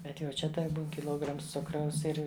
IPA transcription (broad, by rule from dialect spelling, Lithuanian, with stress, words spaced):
ˈbʲɛt jɛʊ ˈt͡ʃʲɛ tɐɪ ˈbuːn kʲɪˈlˠoːɡrɐms ˈt͡sʊkrɐʊs ˈɪr